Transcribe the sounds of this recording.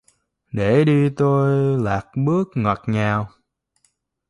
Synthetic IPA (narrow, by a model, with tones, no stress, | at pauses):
ɗe˧˩ɗi˧t̪o˧jlaː˨˩k̚ɓɨ˦˥ək̚ŋə˨˩t̚ɲaː˨˩w